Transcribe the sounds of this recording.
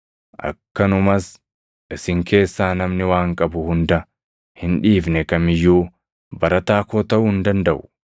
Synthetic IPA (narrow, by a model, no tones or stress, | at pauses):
ʔɐ̰kːɐnʊmɐs | ʔɪsɪŋkʰe̞ːsːaːnɐmnɪwaːŋkʼɐbʊhʊnd̪ɐ | hɪnᶑiːfnɛkɐmɪjːuː | bɐɾɐt̪aːkoːt̪ɐʔʊhɪnd̪ɐnd̪ɐʔʊ̥